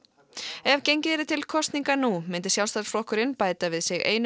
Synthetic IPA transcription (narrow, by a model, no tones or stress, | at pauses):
ɛvcejɲcɪɛɾɪt̪ʰɪlkʰɔst̪niŋkanumɪnt̪ɪsjawlst̪aɾsflɔhkʏɾɪnpaːjt̪avɪðsɪɣḛːjn